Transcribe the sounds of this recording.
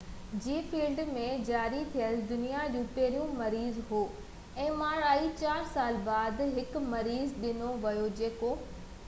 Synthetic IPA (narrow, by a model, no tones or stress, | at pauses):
d͡ʑiːfiːlɖmẽd͡ʑaːɾit̪ʰijəld̪ʊnijad͡ʑũːpɛɦɾijũmɐɾiːzɦoː | ɛ̃ːmaːɾaːit͡ɕaːɾsaːlbaːd̪ɦɪkmɐɾiːzɗɪnoʋɐjod͡ʑeːko